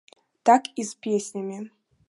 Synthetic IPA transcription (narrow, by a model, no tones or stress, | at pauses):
t̪akizpʲesʲnʲamʲe